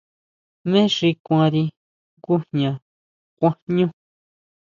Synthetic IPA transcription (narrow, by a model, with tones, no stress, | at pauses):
mẽ˦ʐi˧kʷã˧ɾi˧ | ku˦hɲã˨ | kʷã˧ɲũ˦